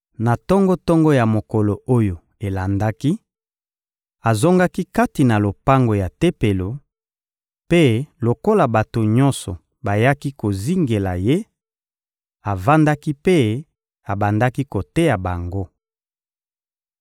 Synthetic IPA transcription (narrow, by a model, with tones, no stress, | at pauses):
na˨tɔ˦ŋɡɔ˦tɔ˦ŋɡɔ˦ja˨mo˨kɔ˨lo˨o˦jo˨ | e˨la˨nda˦ki˦ | a˨zo˦ŋɡa˦ki˦ka˦ti˨na˨lo˨pa˦ŋɡo˨ja˨te˦pe˨lo˨ | pe˦lo˨ko˦la˨ba˨to˨ɲɔ̃˦nsɔ˨ | ba˨ja˦ki˦ko˨zi˦ŋɡe˨la˨je˦ | a˨va˦nda˦ki˦pe˦ | a˨ba˨nda˦ki˦ko˨te˦ja˨ba˨ŋɡo˦